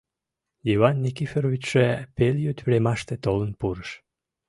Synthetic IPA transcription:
jiβɑnːikifeɾoβit͡ɕʃepeljøt̪ʲβɾemɑʃt̪et̪olənpuɾəʃ

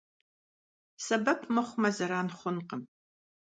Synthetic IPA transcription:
sɐbɐpʰmɨχʷmɐzɐɾaːnχʷʊnqəm

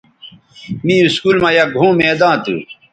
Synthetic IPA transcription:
mĩːuskuːlmãːjaɡʱõːmẽːd̪ãːt̪ṵ

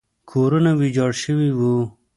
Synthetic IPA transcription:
kʰoːɾunawid͡ʒɑːɽʃəwiwu

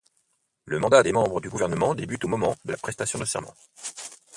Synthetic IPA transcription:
ləmɑ̃d̪ad̪emɑ̃bʁəd̪yɡuvɛʁnəmɑ̃d̪ebyt̪omɔmɑ̃d̪əlapχɛst̪asjɔ̃d̪əsɛ̰ʁmɑ̰̃

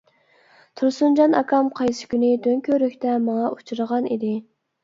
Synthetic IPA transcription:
t̪ʰuɾsund͡ʒɑnɑ̰kʰɑmqʰɑjsɪ̥kʲynɪt̪ʰøŋkʲʰøɾykʲt̪ɛmɑŋɑʔut͡ʃʰuɾəʁɑnid̪ɪ

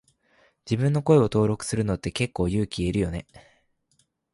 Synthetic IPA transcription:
d͡ʑibɯ̟̃nːo̞ko̞e̞o̞t̪o̞ːɾo̞kɯ̥sɨɾɯ̟no̞t̪ːe̞ke̞kːo̞ːjɯ̟ːkʲieɾɯ̟jo̞ne̞

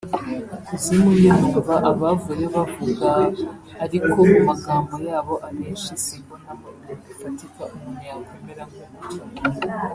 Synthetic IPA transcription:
kuzimujevuaβaʔaβavujeoβavuɡaβaː | ɾikonumaɡaːmbo̞jaːβo̞ʔaɾeːʃisikonamaɾuoɡufatikaʔumunaŋɡemeɾaŋɡuut͡ʃa

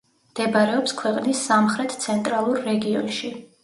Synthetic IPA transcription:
md̪̥ɛbaɾɛɔpskʰwɛqʼnisːamχɾɛt̪ʰt̪sʰɛnt̪ʼɾalˠuɾːɛɡiɔnʃi

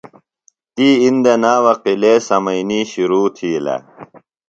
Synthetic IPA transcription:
t̪iːind̪ɐnaːwɐqileːsɐmɐiniːɕiɾuːt̪ʰiːlɐ̰

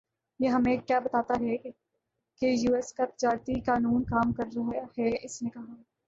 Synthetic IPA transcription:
jeɦɐmẽkjaːbɐt̪aːt̪aɦɛ | kejuːɛskap̪d͡ʒaːɾt̪ikaːnuːnkaːmkɐɾɾɐɦhɛɪsnekɐɦa

